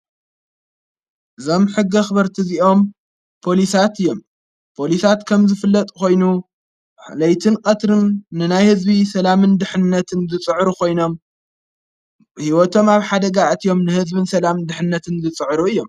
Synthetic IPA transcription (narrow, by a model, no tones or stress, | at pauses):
ʔɨzo̞mħɨɡːɐxɨβɐɾt̪ʰiziʔo̞m | pʰo̞lisat̪ɨjːo̞m | pʰolisat̪kʰɐmzɨfɨlːɐt̪ʼkʰo̞jnu | ħlɐjt̪ʰɨnkʼɐt̪ɾɨnːɨnajhɨzbisɐlamɨnd̪ɨħɨnːɐt̪ʰɨnzɨt͡sʼɨʕɾukʰo̞jno̞m | hiwɔt̪ʰo̞maβħad̪ɐɡaʔt̪ʰijo̞mnɨhɨzbɨnsɐlamɨd̪ɨħɨnːɐt̪ʰɨnzɨt͡sʼɨʕɾuɨjːo̞m